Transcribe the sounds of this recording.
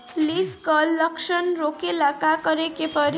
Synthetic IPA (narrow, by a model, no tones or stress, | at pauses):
liskʌlːʌksʌnɾokelakakʌɾekepʌɾ